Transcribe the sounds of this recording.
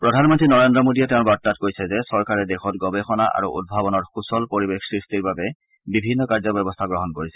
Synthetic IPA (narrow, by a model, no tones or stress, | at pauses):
pɹɔdʱanmɔntɹinɔɹendɹɔmodiɛtɛʊ̃nbatːatkojsɛzɛsɔɹkaɹɛdexɔtɡɔbexɔna̰ʔa̰ɹuʔṵd̚bʱabɔnɔɹxusɔlpoɹibexsɹistiɹbabɛ | bibʱinːɔkaɹzɔbɛbɔstʰaɡɹɔɦɔnkoɹisɛ